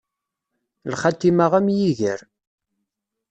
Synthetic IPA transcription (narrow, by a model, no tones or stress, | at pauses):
lχat̪ːimaʁæmjiʝəɾ